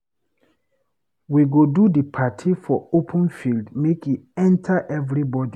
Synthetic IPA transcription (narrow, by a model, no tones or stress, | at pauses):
wiɡodudipʰatʰifɔopʰə̃nfildmekiɛ̃ntʰaʔɛvɹibɔdi